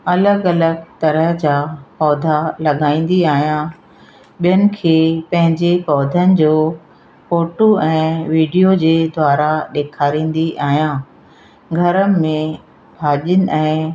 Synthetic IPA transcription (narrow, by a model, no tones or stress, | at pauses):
ɐləɡɐləɡt̪ɐɾəɦd͡ʑaːpɔːd̪ʱalɐɠaːĩːn̆d̪iaːɦijã | ɓijənɪ̆kʰeːpɐ̃ɦɪ̃ɲd͡ʑepɔːd̪ʱənɪ̆d͡ʑoː | foːʈoɛ̃ːʋiːɖijod͡ʑeːd̪waːɾaɗeːkʰaːɾĩːn̆d̪iʔaːɦjãː | ɡʱɐɾəmẽ | bʱaːʄənɪ̆ʔɛ̃ː